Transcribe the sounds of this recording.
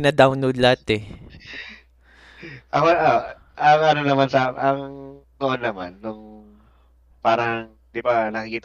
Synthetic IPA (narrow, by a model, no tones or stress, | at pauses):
nɐd̪awnowd̪lat̪ɛ | ʔɐkoʔo | ʔɐŋʔɐnonɐmansaʔɐŋŋnoʔonːɐma̰nːʊŋ | paːɾɐŋ | d̪ɪbanɐkɪkit̪